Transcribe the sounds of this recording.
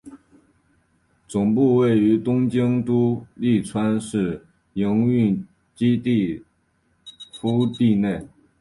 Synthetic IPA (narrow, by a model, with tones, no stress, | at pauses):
t͡sʊ˨˩ŋpu˥˧we˥˩ɪy˧˥t̪ʊ˥ŋt͡ɕi˥ŋt̪u˥li˥˩t͡sʰwa˥nʂɻ̩˥˩ | ji˧˥ŋy˥˩n | t͡ɕi˥t̪i˥˩ | fu˥t̪i˥˧ne˥˩ɪ